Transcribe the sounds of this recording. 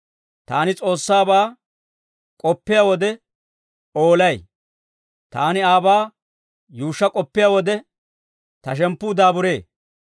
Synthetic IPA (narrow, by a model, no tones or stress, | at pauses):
t̪a̰ːnɪt͡sʼo̞ːsːaːbaː | kʼɔpːɪjaːwɔd̪ɛ | oːlɐj | t̪a̰ːnɪaːbaː | juːʃːɐkʼɔpːɪjaːwɔd̪ɛ | t̪ɐʃ̬ɛmpːʊːd̪aːbʊɾe̞ː